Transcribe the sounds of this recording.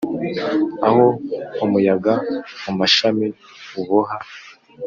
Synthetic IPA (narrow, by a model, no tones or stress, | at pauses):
ahoumujaɡamumaʃami | uβuɦa